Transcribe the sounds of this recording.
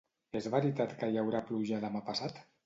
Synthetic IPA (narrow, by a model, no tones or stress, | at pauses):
ezβəɾit̪at̪kəjawɾapluʒalamapasat̪